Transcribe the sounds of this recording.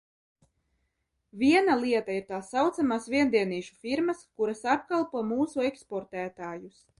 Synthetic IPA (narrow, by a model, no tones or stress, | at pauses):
vʲiɛnalˠiɛt̪aiɾt̪aːsːawt̪samaːsviɛnd̪iɛniːʃu̥fiɾmaskuɾasapkalˠpuɔmuːsuekspɔɾt̪æːt̪aːjus